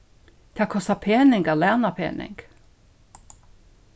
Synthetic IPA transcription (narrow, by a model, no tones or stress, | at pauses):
d̪̥ʰɑːkʰɔst̪ɑpʰeːnɪŋɡɑlæʁnɑpʰḛːnɪ̰ŋɡ̥